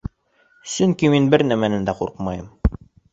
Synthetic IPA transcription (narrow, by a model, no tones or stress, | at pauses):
sɵŋkiminbɘɾnæmænɘnd̪æqṵɾqmɑjɤm